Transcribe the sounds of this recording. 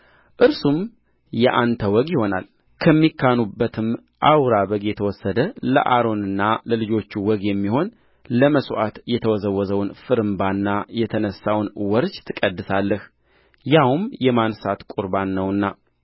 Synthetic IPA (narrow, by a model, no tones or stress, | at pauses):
ʔɨɾsum | jɛʔant̪ʰəwɔɡjɪho̞na̰l | kʰəmːikʰːanubːət̪ʰɨm | ʔawɾaβəɡjɛt̪ʰəwɔsːəd̪ələ̰ʔa̰ɾo̞nɨnːaləlɨd͡ʒo̞t͡ʃːuwɔɡjɛmːiho̞n | ləməsʔa̰t̪jɛt̪ʰəwɔzəwːɔzəwnfɨɾɨmbanːajɛt̪ʰənəsːawnwɔɾd͡ʒt̪ʰɨkʼəd̪ːɨsalːəh | jawmjɛmansat̪kʼuɾbanːəwɨnːa